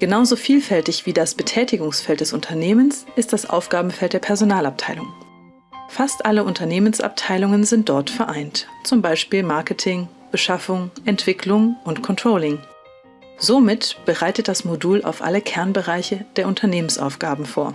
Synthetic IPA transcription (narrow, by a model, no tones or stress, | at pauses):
ɡ̥ənaʊzofiːlfɛltɪçv̥iːdasb̥ətʰɛːtɪɡʊŋsfɛlt̚d̥ɛsʊntʰɐneːmənsʔɪst̚d̥asʔa̰ʊfɡ̥aːbm̩fɛlt̚d̥ːɐpʰɛɐzonaːlap̚tʰaɪlʊŋ | fastʔaləʔʊntʰɐneːmənsʔa̰p̚tʰaɪlʊŋənzɪnt̚d̥ɔɐtfɛɐʔaɪntt͡sʊmbaɪʃpiːlmaɐkətʰɪŋ | b̥əʃafʊŋʔɛntv̥ɪkʰlʊŋʊntkʰɔntʁ̥oːlɪŋ | zomɪtb̥əʁaɪtət̚d̥asmoduːla̰ʊfʔa̰ləkʰɛɐnbəʁaɪçəd̥eːɐʊntʰɐneːmənsʔa̰ʊfɡ̥aːbm̩foːɐ